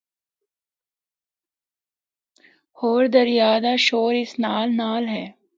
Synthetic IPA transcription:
hoːɾd̪ɐɾjaːd̪aʃoːɾɪsnaːlnaːlɦɛː

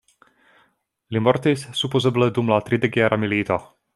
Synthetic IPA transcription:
limɔrt̪issupozəbled̪umlat̪ɾid̪eɡʲeaɾʔamilit̪a

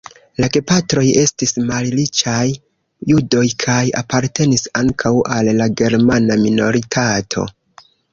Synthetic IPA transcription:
laɡepatɾo̞je̞stismallit͡ʃajː | udo̞jkʰaja̰paɾte̞nisaŋkʰawʔalːaɡe̞ɾmanamino̞ɾitʰatʰo̞̰

